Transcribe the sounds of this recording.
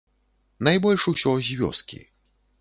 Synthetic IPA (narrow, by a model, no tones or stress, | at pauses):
najbɔlʲʂusʲɔzʲvʲɔ̰skʲḭ